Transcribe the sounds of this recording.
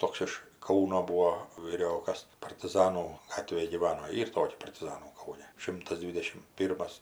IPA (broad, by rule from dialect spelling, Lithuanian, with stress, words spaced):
ˈtoːks ɪʃ ˈkɐʊnoː ˈbuːoː ʋʲiːˈrʲoːkɐs pɐrʲtʲɪˈzɑːnuː ˈɡɑːtʲʋʲeːj ɡʲiːˈʋɑːnoː ˈiːr ˈtoːkʲɛ pɐrʲtʲɪˈzɑːnuː ˈkɐʊnʲɛ ˈʃʲɪmtɐs ˈdʲʋʲɪdʲɛʃʲɪm ˈpʲiːrmɐs